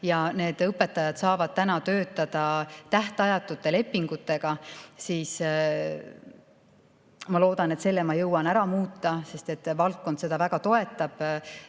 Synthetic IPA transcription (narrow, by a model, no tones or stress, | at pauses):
jɑne̞ːd̪̥ɤpːe̞t̪ːˑɑjɑd̪̥sɑːvɑd̪̥̚t̪ænɑt̪ø̞ːt̪ːˑɑd̪̥ɑt̪æht̪eɑjɑt̪ːˑut̪ːˑe̞le̞pːiŋɡ̥ut̪ːˑe̞ɡ̥ɑsiːs | mɑlo̞ːd̪̥ɑne̞t̪se̞lːemɑjɤwɑnæɾɑmuːt̪ːˑɑse̞st̪e̞t̪ːˑvɑlt̪̚ko̞nd̪se̞d̪̥ɑvæɡ̥ɑt̪o̞e̞t̪ːˑɑb̥